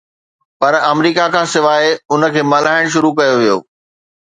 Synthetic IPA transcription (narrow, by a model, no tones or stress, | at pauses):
pɐɾɐmɾiːkakʰãːsɪʋaːeʊnə̆kʰeːmɐlaːɪɽ̃ʃ̬ʊɾukɐjoʋijo̰ː